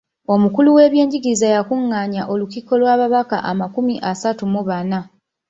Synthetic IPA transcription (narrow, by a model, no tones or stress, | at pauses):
o̞mukuluwe̞ːβje̞ːɲɟiɡiizajakuŋːaːɲaʔo̞lukiko̞lwaːβaβaka̰ʔamakumiʔasatumuβana